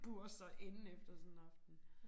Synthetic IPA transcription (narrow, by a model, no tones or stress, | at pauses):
ɡ̥usɒʔe̝n̩efd̥ɐsɒnn̩ɑ̈fd̥n̩